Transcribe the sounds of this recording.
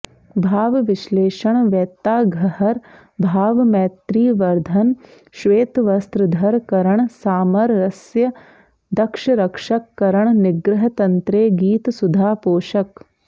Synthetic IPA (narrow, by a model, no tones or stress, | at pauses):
bʱaːʋʋɪʃleːʃɐɳ̃ʋɛːt̪aːɡʱɐhɐɾ | bʱaːʋmɛːt̪ɾiːʋɐɾd̪ʱɐn | ʃʋeːt̪ʋɐst̪ɾəd̪ʱɐɾkɐɾəɳsaːmɐɾːɐsjɐ | d̪ɐkʃɐɾɐkʃɐkːɐɾəɳnɪɡɾɪɦɐt̪ɐnt̪ɾeːɡiːt̪sʊd̪ʱaːpoːʃɐk